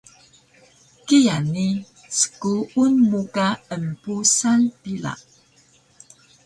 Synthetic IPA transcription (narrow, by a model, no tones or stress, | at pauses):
kijani | sə̥kuːnmukaəmpusanpila̰ʔ